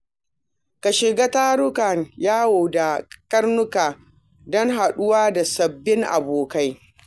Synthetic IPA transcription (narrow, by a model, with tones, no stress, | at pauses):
ka˨ʃɪ˨ɡa˦taː˦ɽʊ˦ka˨njaː˦wo˨da˨kɐ˦rnʊ˦kaː˨ | dɔ˦ŋɦa˨ɗʊ˦waː˦da˨sɐ˨bːɪ˦ŋʔa̰˨boː˨ka˦j